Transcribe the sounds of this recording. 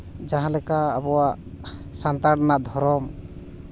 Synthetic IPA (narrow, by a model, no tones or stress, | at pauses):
d͡ʒaɦãlɛkaabɔwaʔsant̪aɽnaʔd̪ʱɔɾɔm